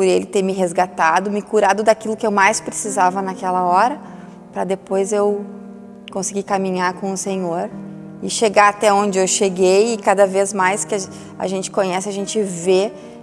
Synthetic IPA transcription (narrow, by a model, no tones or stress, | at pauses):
pʊɾelɪt̪eɾmɪɦezɡat̪ad̪ʊmɪkuɾad̪ʊd̪akilʊkɪewmajspɾesizavɐnakɛlɐɔɾɐ | pɾɐd̪epojzew | kõsɪɡikamĩɲaɾkõʊsẽɲoɾ | ɪʃeɡaat̪ɛõnd͡ʒɪewʃeɡejɪkad̪ɐvezmajskɪa | a̰ʒẽnt͡ʃɪ̥kõɲɛsɪaʒẽnt͡ʃɪve